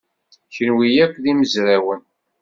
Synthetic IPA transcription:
çənwijækʷːðiməzɾawən

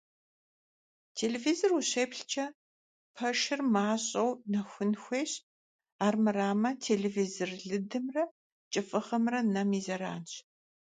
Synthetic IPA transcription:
tʰeːleːvizoruɕeːpɬt͡ʃʰɐ | pʰɐʂɪrmaːɕʼɐwnɐxʷʊnxʷeːɕ | aːrmɨraːmɐtʰeːɮeːvizorɮɨdɨmrɐ | t͡ʃʼɨfʼɨχɐmrɐnɐmiːzɐɾa̰ːnɕ

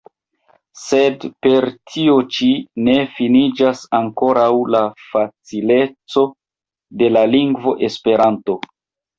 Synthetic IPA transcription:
se̞dpe̞ɾtʰio̞t͡ʃine̞finid͡ʒasaŋko̞ɾawlafat͡sile̞t͡so̞ | de̞laliŋɡvo̞ʔe̞spe̞ɾanto̞

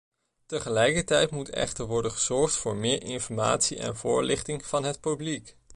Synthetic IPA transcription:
təχəlɛjkəɹtɛjtmutɛ̰χtəɹʋɔɹdənχəz̥ɔɹχtfʊːɹmɪːɹɪnfɔɹma̰ːtsiʔɛ̰nvʊːɹlɪχtɪŋv̥ɑnɦətpyblik

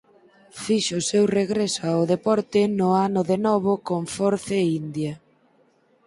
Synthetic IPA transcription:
fiʃʊsewreɣɾesʊaʊðepɔɾt̪ɪnʊanʊðenɔβ̞ʊkoɱfɔɾθeind̪ja

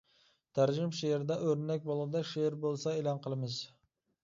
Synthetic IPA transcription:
t̪ʰæɾd͡ʒɪmʃeɾd̪ɛʔøɾnɛk̚ʲbolˠʁɨd̪ɑʃeɾbolˠsɑelɑnqʰəlˠɨmɪz

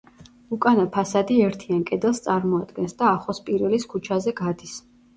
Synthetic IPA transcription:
ukʼanapʰasad̪iɛɾt̪ʰiankʼɛd̪ɛlˠst̪sʼaɾmɔad̪ɡɛnsd̪aːχɔspʼiɾɛliskʰut͡ʃʰazɛɡad̪is

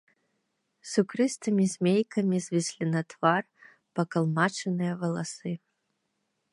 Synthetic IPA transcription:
sukɾɨst̪ɨmʲizʲmʲejkʰɐmʲizʲvʲisʲlʲinɐt̪var | pɐkɐlˠmat͡ʂɛnɨjɐvɐlˠasɨ

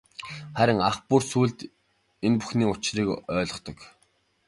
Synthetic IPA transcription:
χæɾʲɪ̆ŋaχpursuːɮt̪ | enpu̥xniːʊt͡ɕriːkœːɮɞ̆χt̪ɞ̆k

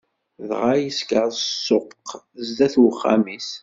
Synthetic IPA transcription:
ðʁajəskəɾsːoqq | zd̪æθwəχːæ̰mis

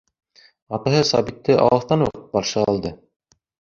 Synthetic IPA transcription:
ɑt̪ɑɦɤsɑbit̪ːɘʔɑ̰wɤ̆θt̪ɑnuqɤt̪̚bɑɾʃɤɑlˠd̪ɤ

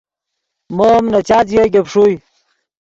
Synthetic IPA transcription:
momnɐt͡ɕaːt͡sjeɡepʂuj

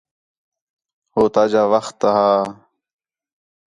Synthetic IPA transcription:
hoːt̪aːd͡ʑaːʋɐxt̪ːaɦaː

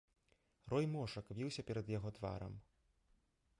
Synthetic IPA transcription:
rɔjmɔʂɐkvʲiwsʲɐpʲɛɾɐd̪jaɣɔt̪va̰ɾɐ̰m

